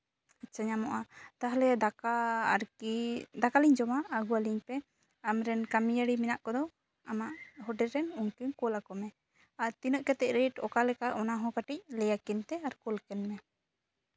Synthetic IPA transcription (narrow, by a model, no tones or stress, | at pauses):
at͡ʃaɲamɔʔat̪aɦalɛd̪akaɾ | d̪akaliɲd͡ʒɔmaːɡuwaliɲpɛ | amɾɛnkamijaɽiminaʔkɔd̪ɔ | amaʔɦɔɖɛɾɛnuŋkinkɔlakɔmɛ | aɾt̪inəʔkɛt̪ɛc̚ɾeʈɔkalɛkaʔɔnaɦɔ̃kaʈic̚lɛjakint̪ɛaɾkɔlkɛnmɛ